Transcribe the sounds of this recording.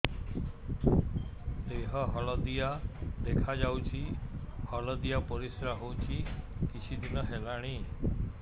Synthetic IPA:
d̪eɦɔɦɔlɔd̪ijad̪ekʰad͡ʒawt͡ʃʰihɔlɔd̪ijapɔɾisɾaɦowt͡ʃʰikit͡ʃʰid̪inɔɦelaɽ̃i

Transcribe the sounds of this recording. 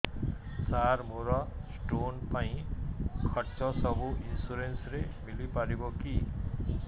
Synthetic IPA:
t͡saɾmʱuɾɔsʈonpaĩkʰʌʈsɔsʌbuʔinsuɾensɾemilipaɾibɔki

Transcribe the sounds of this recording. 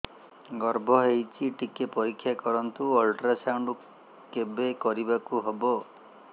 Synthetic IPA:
ɡɔɾbʱɔɦejt͡ʃʰiʈikepɔɾikʰːjakɔɾɔnt̪uɔlʈɾasawɳɖu | kebekɔɾibakuɦebɔ

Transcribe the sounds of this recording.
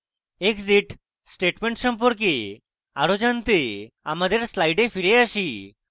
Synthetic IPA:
ekziʈ | sʈeʈmẽɳʈsɔmp̬ɔɾk̬e | a̰ɾod͡ʒant̪ea̰mad̪eɾslajɖepʰiɽeaʃi

